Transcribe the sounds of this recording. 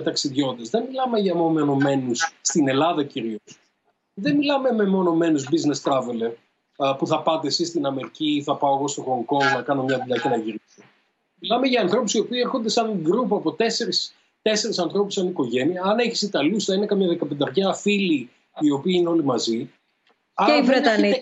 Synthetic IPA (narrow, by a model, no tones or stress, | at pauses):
t̪ɐksiðʝo̞nd̪ɐzðe̞nmilɐme̞ʝɐmo̞omeno̞me̞nusst̪ine̞lɐðɐciɾios | ðe̞nmilɐmeme̞mo̞no̞me̞nuzbizne̞st̪ɾɐve̞leɾ | puθɐpɐt̪e̞sist̪inɐme̞ɾiciθɐpɐoɣo̞st̪o̞xo̞ŋko̞ŋɡnɐkɐno̞mɲɐðuʎɐce̞nɐʝiɾiso | milɐme̞ʝɐːnθɾo̞pusio̞piːeɾxond̪e̞sɐnɡɾupoɐpo̞t̪e̞se̞ɾis | t̪e̞se̞ɾisɐnθɾo̞pusːɐniko̞ʝe̞niɐːneçi̥sit̪ɐlusθɐinekɐmɲɐðekɐpe̞nd̪ɐɾçeɐfili | io̞piɐineo̞limɐzi | ɐeivɾet̪ɐni